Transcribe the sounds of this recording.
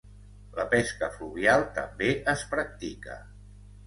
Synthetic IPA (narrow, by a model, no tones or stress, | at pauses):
ləpɛskəfluβialˠt̪ə̰mbeəspɾək̚t̪ikə̰